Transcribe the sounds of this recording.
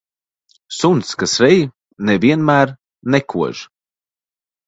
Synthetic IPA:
sunskasɾej | nɛviənmaɾ | nɛkʰuə̰ʒ̥

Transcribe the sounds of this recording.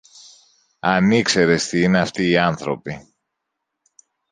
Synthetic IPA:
ɐnikse̞ɾe̞st̪iine̞ɐft̪iːɐnθɾo̞̰pi

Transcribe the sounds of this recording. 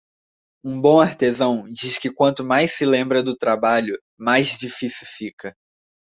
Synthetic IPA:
ũbõaɾt̪ezɐ̃w̃d͡ʒiʃkɪkwɐ̃nt̪ʊmajsɪlẽmbɾɐd̪ʊt̪ɾabaʎʊ | majzd͡ʒifisiwfikɐ

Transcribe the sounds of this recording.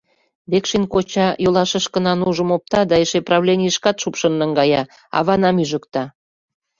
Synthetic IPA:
βekʃenkot͡ɕɑjolˠɑʃəʃkə̆nɑnuʒəmop̚t̪ɑd̪ɑeʃeprɑβlʲenʲiəʃkɑt̪ʃupʃə̆nːəŋɡɑjɑ | ɑ̰βɑnɑmyʒə̆kt̪ɑ

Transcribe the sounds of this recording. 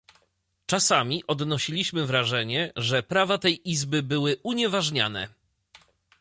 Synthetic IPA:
t͡ʂasamʲiʔɔd̪nɔɕilʲiɕmɘvɾaʐɛɲɛʐɛpɾavat̪ɛjʔizbɘbɘwɘʔuɲɛvaʐɲa̰nɛ̰

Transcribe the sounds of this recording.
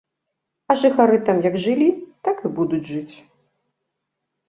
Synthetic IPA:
ɐʐɨxaɾɨt̪amjɐɡʐɨlʲit̪akɨbud̪ud͡zʲʐɨt͡sʲ

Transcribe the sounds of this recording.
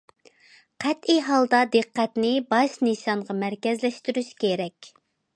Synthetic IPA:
qʰæt̪ijɦɑlˠd̪ɑd̪ɨqːæt̪nɪbɑʃnɨsɑɴʁɑmæɾkʲɛzlɛʃt̪yɾyʃkʲʰeɾɛkʲ

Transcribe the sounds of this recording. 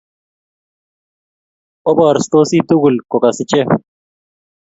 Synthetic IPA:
obɑːɾst̪oːsit̪uɡulkokɐsit͡ɕe

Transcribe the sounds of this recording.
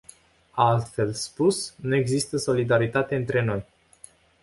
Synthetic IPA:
aalt̪fe̞lspusnue̞ɡzist̪əso̞lid̪aɾit̪at̪e̞ɨnt̪ɾe̞no̞j

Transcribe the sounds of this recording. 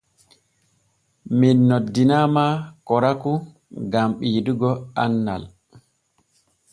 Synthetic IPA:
minːodːinaːmakɔɾaku | ɡamɓiːduɡɔanːa̰l

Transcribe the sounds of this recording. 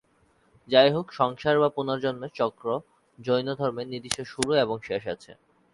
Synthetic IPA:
d͡ʑajɦokʃɔŋʃaɾbapunaɾd͡ʑonmet͡ɕɔkɾo | d͡ʑojnod̪ʱɔɾmenid̪iʃeʃuɾueboŋʃeʃa̰t͡ɕʰḛ

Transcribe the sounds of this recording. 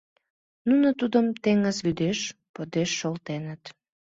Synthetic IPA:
nunət̪ud̪əmt̪eŋəzβyd̪eʃpod̪eʃːolt̪enət̪

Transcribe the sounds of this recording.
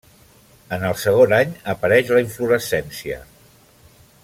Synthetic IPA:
ənəlˠsəɣ̞onaɲəpəɾɛʃləiɱfluɾəsɛnsiə̰

